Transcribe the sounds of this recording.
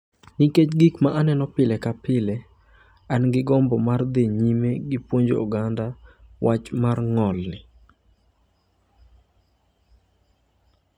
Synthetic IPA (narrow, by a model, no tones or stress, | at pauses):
niket͡ʃɡikmaʔanɛnɔpɪlɛkapɪlɛ | anɡɪɡɔmbɔmard̪eɲimeɡɪpwoɲd͡ʒo̰o̰ɡandawʔat͡ʃmarŋɔlnɪ